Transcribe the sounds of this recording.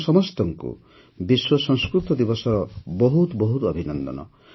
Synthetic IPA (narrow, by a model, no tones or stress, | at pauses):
sɔmɔst̪ɔŋkṵ | biswɔsɔŋskɾut̪ɔd̪ibɔsɔɾɔbɔɦut̪bɔɦut̪ɔbʱinɔnd̪ɔ̰nɔ̰